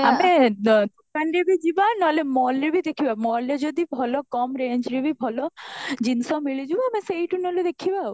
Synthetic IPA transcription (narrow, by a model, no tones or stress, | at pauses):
amed̪ukanɾebʱid͡ʒibanɔlemɔlɾebʱid̪ekʰibamɔɾled͡ʒɔd̪ibʱɔlɔkɔmɾeɲd͡ʒɾebʱibʱɔlɔd͡ʒinsɔmiɭid͡ʒibɔameseiʈunɔled̪ekʰibau